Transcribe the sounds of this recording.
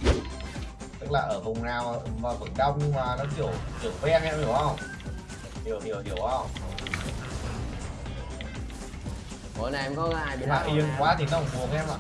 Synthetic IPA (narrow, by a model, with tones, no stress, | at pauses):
t̪ɨ˦˥k̚laː˨˩ʔəː˧˩vʊ˨˩wŋ͡mnaː˨˩wvaː˨˩fə˨˧˩ŋɗa˧wŋ͡mɲɨ˧ŋmaː˨˩nɔ˨˦ki˧˩əwki˨˧˩ə˩wvɛ˧ŋʔɛ˧mi˧˩wʔə˧˩wŋ͡m | ɗi˨˩əwɗi˧˩əwɗi˨˧˩əwʔa˧ | o˧˦na˨˩ʔɛ˧mkɔ˨˦ɣaː˧˨˩ji˨maː˨˩ʔi˧əŋkwaː˨˦t̪ʰi˨˩nɔ˨˦kʊ˧˩ŋ͡mfu˨˦əŋʔɛ˧mʔa̰˧˨